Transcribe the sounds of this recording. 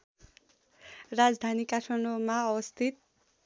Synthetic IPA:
rad͡zd̪ʱanikaʈʰʌnomaʌbʌst̪ʰit̪̚

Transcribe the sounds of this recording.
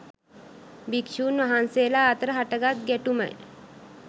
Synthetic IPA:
bikʃuːnʋaɦanseːlaːt̪əɾəɦaʈəɡat̪̚ɡæʈumə̰j

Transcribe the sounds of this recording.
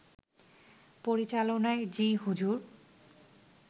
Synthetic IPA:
poɾit͡ɕalonaed͡ʑiɦud͡ʑuɾ

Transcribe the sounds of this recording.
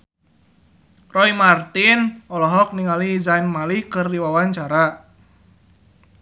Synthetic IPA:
rɔimart̪inɔlɔɦɔk̚niŋalizainmalikɨrdiwawaɲt͡ʃaɾa

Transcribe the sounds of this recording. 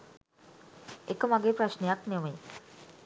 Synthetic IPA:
ekəmaɡeːpɾaʃnejaknemə

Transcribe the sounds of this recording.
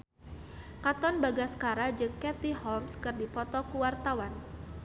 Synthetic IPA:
kat̪ɔnbaɡaskaɾad͡ʒɨŋɛt̪iɦɔmskɨrdipɔt̪ɔkuwart̪awan

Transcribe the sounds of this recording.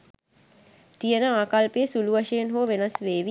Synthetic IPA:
t̪ijənəaːkalpejəsuluʋɐʃjenɦoːʋenɐsʋeːʋi

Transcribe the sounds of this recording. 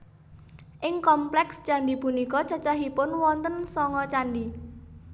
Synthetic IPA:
ʔɪŋkɔmplɛkst͡ʃanɖipunikɔ̥t͡ʃa̤t͡ʃaɦipʊnwɔnt̪ənsɔŋɔt͡ʃanɖi

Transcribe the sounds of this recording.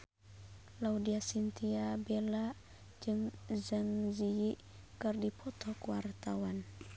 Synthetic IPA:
laudiasint̪iabela | d͡ʒɨŋzəŋzijiʔ | kɨrdipʰɔt̪ɔkuwart̪awan

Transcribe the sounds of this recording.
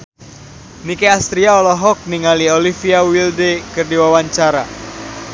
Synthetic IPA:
nikeast̪ɾiaɔlɔɦɔk̚niŋaliolifiawildekɨrdiwawaɲt͡ʃaɾa

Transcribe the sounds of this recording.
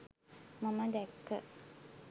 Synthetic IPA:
maməd̪ɛkːə

